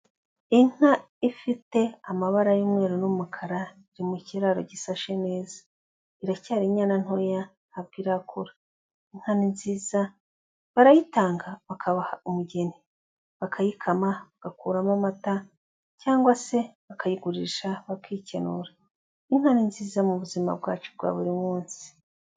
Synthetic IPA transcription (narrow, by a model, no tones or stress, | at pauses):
iŋ̥ha | ifite̞amaβaɾajumŋe̞ːɾonumukʰaɾa | iɾimuceɾaɾo̰ɟisaʃene̞ːzḁ | iɾacaːɾiɲaːnan̥hoja | hːβ̚ɡiːɾakʰuɾa | iŋ̥haninziːza | βaɾajitaːŋɡaβakʰaβahaumuɟe̞ni | βakʰajikʰamaβaɡ̥akuːɾamamata | caːŋɡwase̞βakajiɡuɾiːʃaβakʰicenuɾa | iŋ̥haninziːzamuβuzima̰bɡaːt͡ʃub̚ɡwa̰ːβuɾimuːnsi̥